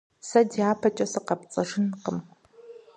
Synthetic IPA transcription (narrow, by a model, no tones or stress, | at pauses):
sɐdiaːpʰɐt͡ʃʼɐsɨqɐpt͡sʼɐʐɪnqəm